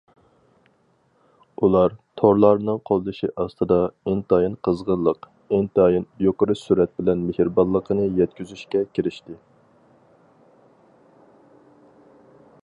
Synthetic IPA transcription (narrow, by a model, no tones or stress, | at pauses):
ulˠɑɾt̪ʰoɾlˠɑɾnɨŋqʰolˠd̪ɨʃiʔɑst̪ɨd̪ɑent̪ɑjinqʰəzʁənlˠəq | ɪnt̪ɑjinjoqəɾɨsuɾɛt̪̚bɪlɛnmehɾbɑlˠːəqʰənɨjɛt̪̚kʲyzyʃkʲɛkʲʰeɾɪʃt̪ɪ